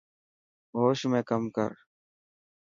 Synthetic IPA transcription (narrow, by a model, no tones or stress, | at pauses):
ɦoːʃmẽːkəmkə̰ɾ